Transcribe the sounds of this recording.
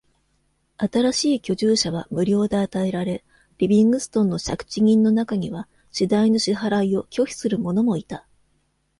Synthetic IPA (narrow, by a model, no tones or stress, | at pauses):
at̪aɾaɕiːkʲo̞ʑɨːɕaβ̞amɯ̟ɾʲo̞ːd̪e̞at̪ae̞ɾaɾe̞ | ɾʲibʲĩŋɡɯ̟sɨ̥t̪õ̞nːo̞ɕakɯ̥t͡ɕiɲ̟ʲĩnːo̞nakaɲ̟iβa | ɕid̪aino̞ɕiɦaɾaio̞kʲo̞çi̥sɨɾɯ̟mo̞no̞mo̞it̪a